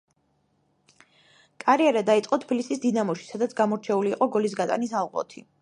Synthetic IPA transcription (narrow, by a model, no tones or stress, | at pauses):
kʼaɾiɛɾad̪ait̪sʼqʼɔt̪ʰpʰilisisd̪inamɔʃi̥sad̪at̪sʰɡamɔɾt͡ʃʰɛuliːqʼɔɡɔlis̬ɡat̪ʼa̰nisalˠʁʼɔ̰t̪ʰi